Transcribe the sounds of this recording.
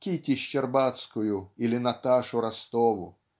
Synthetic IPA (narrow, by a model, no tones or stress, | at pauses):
kʲit̪ʲiʃt͡ʃɛrbat̪skʊjʊilʲɪnat̪aʂʊɾast̪ɔʋʊ̰